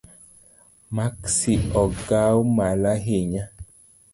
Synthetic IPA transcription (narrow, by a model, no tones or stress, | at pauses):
maksiɔɡawmalaɦeɲa